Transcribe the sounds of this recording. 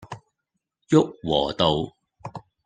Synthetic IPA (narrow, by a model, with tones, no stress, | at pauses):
jʊ˥k̚wɔː˨˩t̪o˨w